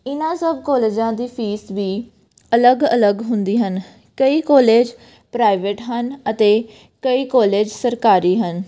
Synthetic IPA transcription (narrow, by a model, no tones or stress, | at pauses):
ɪnãːsəbkɔːleːd͡ʒãːd̪iːpʰiːsʋiː | ələɡələɡɦʊnd̪iːɦən | kəiːkɔːleːd͡ʒ | pɾaːɪʋeʈɦənət̪eː | kəiːkɔːleːd͡ʒsəɾkaːɾiːɦən